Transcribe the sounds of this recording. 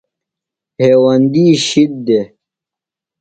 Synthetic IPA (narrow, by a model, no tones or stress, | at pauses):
heːwɐnd̪iːɕid̪̚d̪e